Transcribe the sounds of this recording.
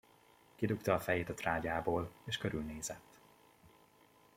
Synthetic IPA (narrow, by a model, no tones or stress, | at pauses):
kid̪ukt̪ɒːfɛjeːt̪ɒt̪raːɟaːboːleːʃkøɾylneːzɛt̪ː